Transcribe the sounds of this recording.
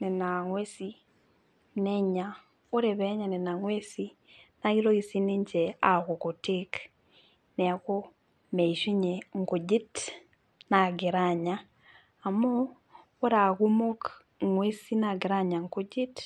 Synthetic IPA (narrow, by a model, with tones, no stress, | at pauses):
ne˨na˨ŋwe˦si | nɛɲa | o˦ɾe˨βɛ˦ɲa˨ne˨na˨ŋwesi | na˦i˦ɾo˦i˨si˦ni˦ɲt͡ʃɛa˨ɣo˨ko˨tik | nɛ˨a˨ko˦ | me˨iʃi˦ɲe˨ŋ˨ku˨d͡ʒi˦t | na˨ɡe˨ɾaɲaː˦˨ | moː˦ | ɾa˨ɣu˦mo˦k | ŋwe˦si˦naɡi˨ɾaɲa˨ŋku˦d͡ʒi˦t